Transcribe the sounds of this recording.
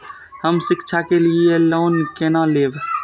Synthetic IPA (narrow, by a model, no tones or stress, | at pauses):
həmsɪkt͡ʃʰakelieloːnkenaleːb